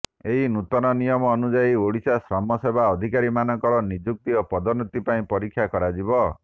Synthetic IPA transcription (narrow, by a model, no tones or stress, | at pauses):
eɦinut̪ɔnɔnijɔmɔːnud͡ʒaioɽisasɾɔmɔsebʱaɔd̪ʱikaɾimanɔŋkɔɾɔnid͡ʒuk̚t̪iopɔd̪ɔnut̪ːipaĩpɔɾikʰːjakɔɾad͡ʒibɔ